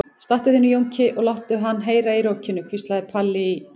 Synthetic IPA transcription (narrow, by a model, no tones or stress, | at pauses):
st̪aht̪ʏðɪnjowɲcɪʔɔɣlawht̪ʏɦanːɦeːjɾaiɾowcʰɪnːʏkʰvist̪laðɪpʰalːɪ